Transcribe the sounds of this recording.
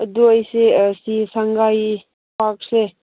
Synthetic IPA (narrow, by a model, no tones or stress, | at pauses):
əduəjsesisaŋɡaj | pak̚se